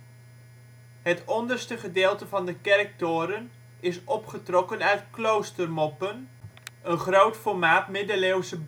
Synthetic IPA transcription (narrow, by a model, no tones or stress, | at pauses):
hətɔndərstəχədeːlˠtəvɑndəkɛrk̚toːɾən | ɪsɔpχətrɔkənœɥtklowstərmɔpənənχrowtfɔrmaːtmɪdəlewsə